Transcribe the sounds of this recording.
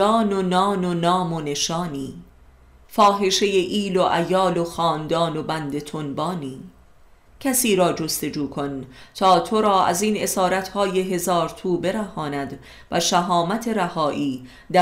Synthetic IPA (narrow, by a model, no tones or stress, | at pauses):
ɒːnonɒːnonɒːmone̞ʃɒːniː | fɒːɦe̞ʃe̞jeʔiːloʔæjɒːloxɒːnd̪ɒːno̞bænd̪e̞t̪ʰonbɒːniː | cʰæsiːɾɒːd͡ʒo̞st̪e̞d͡ʒuːkʰo̞nt̪ʰɒːt̪ʰo̞ɾɒːʔæ̰ziːne̞sɒːɾæt̪hɒːje̞ɦe̞zɒːɾt̪ʰuːbe̞ɾæhɒːnæd̪ | væʃæɦɒːmæt̪ʰe̞ɾæhɒːʔiː | d̪æ